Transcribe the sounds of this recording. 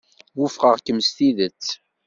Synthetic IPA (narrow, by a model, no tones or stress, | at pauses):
wʊfʁəʁkəmst̪iðət͡sː